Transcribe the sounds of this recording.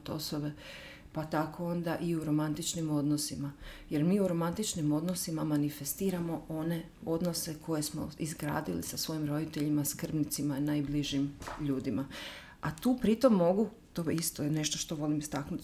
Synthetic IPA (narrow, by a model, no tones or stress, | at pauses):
t̪o̞̰soʋe̞ | pat̪ako̞o̞nd̪aʔiuɾo̞mant̪it͡ʃnimo̞d̪no̞simaje̞ɾmiːuɾo̞mant̪it͡ʃnimo̞d̪nosimamanifest̪iːɾamo̞o̞ne̞ | o̞d̪no̞sekʰo̞je̞smo̞̰izɡɾa̰ːd̪ilḭsasʋo̞jimɾo̞d̪it̪eʎimaskr̩bnit̪simanajbliʒimʎuːd̪ima | at̪uːpɾit̪o̞mːo̞ɡu | t̪oːist̪oene̞ʃt̪oʃt̪o̞ʋo̞limist̪aknut̪